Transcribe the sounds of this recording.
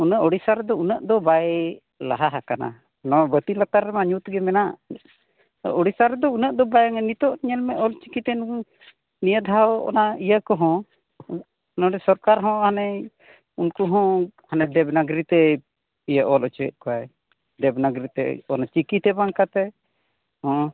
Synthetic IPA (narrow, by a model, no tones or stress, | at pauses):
unəʔɔɽisaɾɛd̪ɔunəʔd̪ɔbaj | la̰ɦaɦakana̰ | nɔbət̪ilat̪aɾːɛmaɲut̪ɡɛmɛnaʔ | ɔɽisaɾd̪ɔunəʔd̪ɔbajŋɛnit̪ɔʔɲɛlmɛʔɔlt͡ʃi̥kit̪ɛnu | nijəd̪ʱaɔ̰naijakɔɦɔ̃ | nɔɖɛsɔɾkaɾɦɔ̃hanɛ | unkuɦɔ̃hanɛd̪ɛbnaɡɾit̪ɛ | ijaʔɔlʔɔt͡ʃɛə̰ʔ̪̚kɔwaj | d̪ɛbnaɡɾit̪ɛ̰ɔ̰nat͡ʃikit̪ɛbaŋkat̪ɛ | hɔ̃